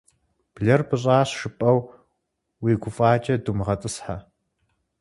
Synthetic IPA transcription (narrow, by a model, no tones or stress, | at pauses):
b̥ɮɐrbɨɕʼaːɕʂɨpʼɐw | wiːɡʷʊfʼaːt͡ʃʼɐdumʁɐtʼɨsħa